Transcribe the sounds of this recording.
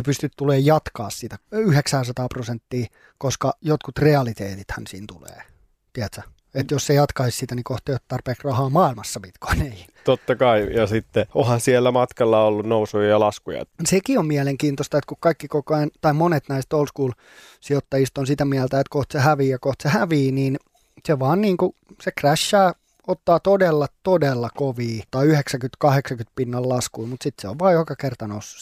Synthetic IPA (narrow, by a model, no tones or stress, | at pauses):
epyst̪yt̪t̪uleːjɑt̪kɑːssit̪æyheksæːsɑt̪ɑːprosent̪ːiː | koskɑjot̪kut̪reɑlit̪ḛːt̪it̪hænsḭːnt̪ulḛː | t̪iæt̪sæ | et̪jossejɑt̪kɑissit̪ænikoht̪et̪t̪ɑrpeːksrɑhɑːmɑːilmɑsːɑpit̪ko̥inei | t̪ot̪ːɑkɑijɑsit̪ːeohɑnsielːæmɑt̪kɑlːɑolːunnousujɑjɑlɑskujɑ̰sekiommiæleŋkiːnt̪ost̪ɑet̪kukkɑikːikokoɑnt̪ɑimonet̪næist̪olskuːl | siot̪ːɑjist̪onsit̪æmiælt̪æet̪koht̪sehæʋiːjɑkoht̪sehæʋiːniːn | seʋɑːnniːŋkusekræʃːæː | ot̪ːɑːt̪odelːɑt̪odelːɑkoʋiːt̪ɑiyheksækyt̪kɑheksɑkynt̪̚pinːɑllɑskuimut̪sit̪seoʋʋɑːjokɑkert̪ɑnosːu̥s